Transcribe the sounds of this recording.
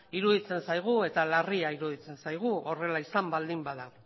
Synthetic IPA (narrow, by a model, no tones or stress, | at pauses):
iɾuðit͡se̞nsajɣ̞ue̞t̪alariaiɾuðit͡se̞nsajɣ̞uo̞re̞laisambald̪imbaðaw